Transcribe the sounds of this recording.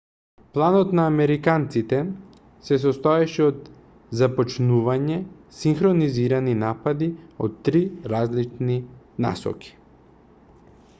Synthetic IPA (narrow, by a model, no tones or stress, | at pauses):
plˠanɔt̪naːmɛɾikant̪sit̪ɛ | sɛs̬ɔst̪ɔɛʃɛɔt̪ | zapɔt͡ʃnuvaɲɛ | siŋxɾoniziɾaninapad̪io̰t̪ːɾiɾazlit͡ʃni | na̰sɔ̰ki̥